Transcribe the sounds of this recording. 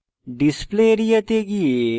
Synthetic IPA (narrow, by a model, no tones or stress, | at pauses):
ɖispleɾijɐt̪eɡie